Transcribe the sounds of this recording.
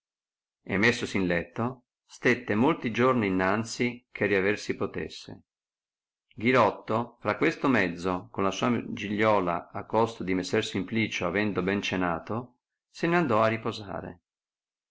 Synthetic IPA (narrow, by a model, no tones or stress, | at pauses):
ḛmːesːosinlɛt̪ːo | st̪et̪ːemolt̪id͡ʒorniːnːant̪sikʰeriaversipot̪ḛsːḛ | ɡiɾɔt̪ːofɾakːwest̪omɛd̪zːokonlasuːad͡ʒiʎːɔːla̰akːɔst̪od̪imesːersimpliːt͡ʃoavɛnd̪obɛnt͡ʃenaːt̪o | seneand̪ɔarːipoza̰ːɾḛ